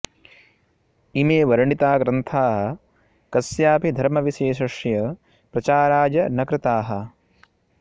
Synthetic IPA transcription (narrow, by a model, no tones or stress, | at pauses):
imeːʋɐɾɐɳit̪aːɡɾɐnt̪ʰaːɦɐ̆ | kɐsjaːpid̪ʱɐɾmɐʋiʃeːʃɐʂjɐ | pɾɐt͡ʃaːɾaːd͡ʒɐnɐkɾɪt̪aːɦɐ̆